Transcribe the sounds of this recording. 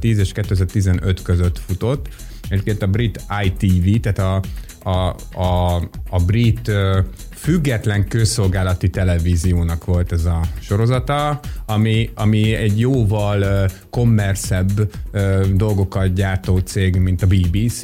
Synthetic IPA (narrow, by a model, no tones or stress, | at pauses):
t̪iːzeːʃkɛt̪ːøɛzɛrt̪izɛnøt̪køzøt̪fut̪o̞t̪ː | ɛɟepkeːnt̪ɒbrit̪ajt̪iːvit̪aːt̪ɒ | brit̪ø | fyɡːɛt̪lɛŋkøːso̞lɡaːlɒt̪it̪ɛlɛviːzijoːnɒkʋo̞lt̪ɛzɒʃo̞ɾo̞zɒt̪ɒɒmiɒmiɛɟjoːvɒl | ko̞mːɛrsɛbːød̪o̞lɡo̞kɒt̪̚ɟaːrt̪oːt̪seːɡmint̪ɒbiːbiːs